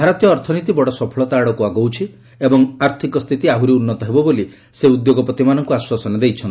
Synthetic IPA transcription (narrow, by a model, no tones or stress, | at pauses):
bʱaɾɔt̪jɔːɾt̪ʰɔnit̪ibɔɽɔsɔpʰɔɭɔt̪aɽɔkuaɡowt͡ʃʰi | ebɔŋaɾt̪ʰikɔst̪ʰit̪iaɦuɾiunːɔt̪ɔɦebɔboli | seud̪joɡɔpɾɔt̪imanɔŋkuaswasɔnɔd̪ejt͡ʃʰɔnt̪